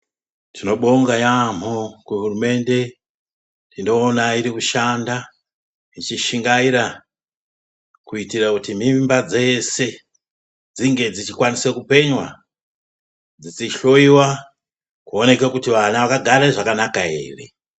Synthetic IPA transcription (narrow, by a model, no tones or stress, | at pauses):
tʰino̞ɓo̞ŋɡajam̤okuɦurume̞nde̞ | ndino̞ːnaiɾikuʃanda | it͡ʃiʃiŋɡaiɾa | kuitirakutim̤imbad͡ze̞se̞ | d͡ziŋɡe̞d͡zit͡ʃikwanisekupe̞ɲwa | d͡zit͡siɬo̞iwa | kuone̞kekutiʋanaʋakaɡʱaɾeʐakanakae̞̰ːre̞̰